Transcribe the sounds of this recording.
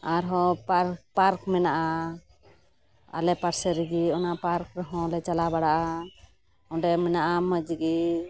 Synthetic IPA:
aɾɦɔpaɾpaɾkmɛnaʔa | a̰lɛpaɾsɛɾiɡiɔnapaɾkɾɛɦɔ̃lɛt͡ʃalabaɽaʔa | ɔ̃ɖɛmɛnaʔaməd͡ʒɡi

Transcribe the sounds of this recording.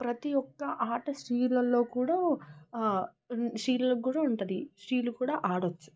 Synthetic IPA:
pɾɐt̪ijɔkːɐʔaːʈɐsɾiːlɐlːo̞ːkuːɽaː | ʃɾiːlɐlɐkːuːɽaːuɳʈud̪isɾiːlukuːɽaːʔaːɽɐt͡ʃːu̥

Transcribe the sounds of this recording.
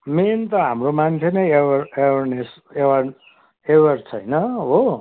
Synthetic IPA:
ment̪ʌɦamromant͡sʰenʌjeʌrewʌrnes | ewʌr | ewʌrt͡sʰʌjnʌɦo

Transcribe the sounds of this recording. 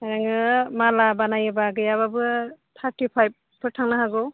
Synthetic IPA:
aɾaŋɯmalabanajɯbaɡɯjaβabɯt̪ʰaɾtipʰajb̚ | pʰːɯɾtʰaŋnaɦaɡɔ

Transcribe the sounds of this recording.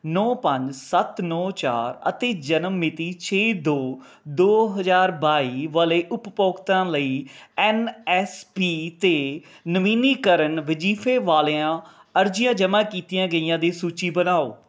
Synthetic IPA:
nɔːpə̃ɲd͡ʒsət̪nɔːt͡ʃa̰ːɾə̰t̪eːd͡ʒənəmːɪt̪iːt͡ʃʰeːd̪oː | d̪oːɦəzaːɾbaːiːʋəleːʔʊppoːkt̪ãːləiːɛːnɛspiːt̪eː | nəʋiːniːkəɾəɳʋɪd͡ʒiːpʰeːʋaːleãː | əɾd͡ʒɪjãːd͡ʒəmãːkiːt̪ijãːɡəiːjãːd̪eːsuːt͡ʃiːbənaːoː

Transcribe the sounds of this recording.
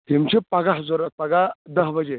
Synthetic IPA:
ɦimt͡ɕepaɡaɦd͡zoɾət̪̚paɡad̪əɦbəd͡ʑe

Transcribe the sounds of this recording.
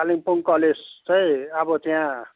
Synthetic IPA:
aliŋpuŋkʌled͡zt͡sʌĩʌbʌt̪jã

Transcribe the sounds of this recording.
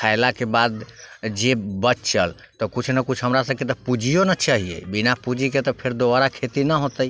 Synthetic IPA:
kʰaɪlakebad̪d͡ʒebət͡ʃt͡ʃəl | t̪ɔkut͡ʃʰnəkut͡ʃʰɦəmɾasəb̚ket̪ɔpud͡ʒijonət͡ʃaɦiḛbinapud͡ʒiket̪ɔpʰeɾd̪obaɾakʰet̪inəɦot̪ə

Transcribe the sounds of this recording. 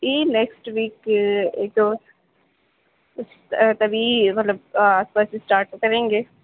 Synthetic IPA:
iːnɛksʈʋiːkeːk̚d̪oː | s | t̪ɐbʱimɐt̪ləb̚aːspaːsisʈaːɾʈkɐɾẽːŋɡeː

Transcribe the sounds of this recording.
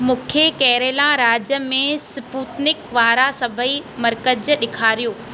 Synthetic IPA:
mʊ̃ːkʰekɛːɾeːlãɾaːd͡ʑjəmẽsɪpuːt̪nɪkʋaːɾasɐbʱəimɐɾkəd͡ʑəɗɪkʰaːɾijoː

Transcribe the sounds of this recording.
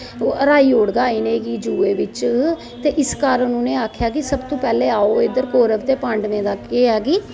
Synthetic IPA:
əɾaːiːoːɽɡaːiːneːɡiːd͡ʒuːeːʋɪt͡ʃ | t̪eːʔɪskaːɾənːũːneːaːkʰjaːkɪsəbt̪õːpɛːleːaːoːed̪əɾkoːɾəʋt̪eːpãːɳɖʋẽːd̪aːkeːɛːɡiː

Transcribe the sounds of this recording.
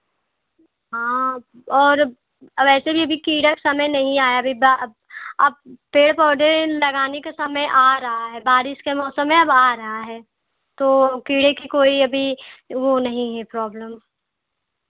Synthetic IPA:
ɦãː | ɔːɾ | ʋɛːsebʱiɐbʱikiːɽəksɐməjnɐɦĩaːjaɐbʱiba | ɐ̰b̚peːɽpɔːɖ̪ẽlɐɡaːnekesɐməjʔaːɾɐɦaɦɛbaːɾɪʃkemɔːsəmːẽɐbaːɾɐɦaɦɛː | t̪oːkiːɽẽkikoːiɐbʱiʋonɐɦĩɦɛpɾɔːbləm

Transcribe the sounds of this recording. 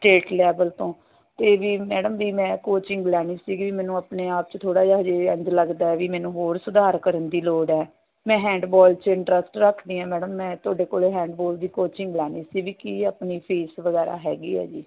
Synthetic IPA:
sʈeːʈlɛːbəlt̪õː | t̪eːʋiːmɛːɖəmʋiːmɛ̃ːkoːt͡ʃɪŋɡlɛːɽ̃iːsiːɡiːʋiːmɛ̃ːnũːapneːaːp̚t͡ʃt̪ʰoːɽaːd͡ʒaːɦd͡ʒeːə̃nd͡ʒ̪ləɡd̪aːɛːʋiːmɛ̃ːnũːɦoːɾsʊd̪aːɾkəɾənd̪iːloːɖɛː | mɛ̃ːɦɛ̃ːɳɖbɔːlt͡ʃɪ̃ɳʈɾəsʈɾəkʰd̪iːãːmɛːɖəmːɛ̃ːt̪oːɖeːkoːleːɦɛ̃ːɳɖboːld̪iːkoːt͡ʃɪŋɡlɛːñiːsiːʋiːkiaːpniːpʰiːsʋəɡɛːɾa̰ːɦɛːɡḭːɛ̰ːd͡ʒiː

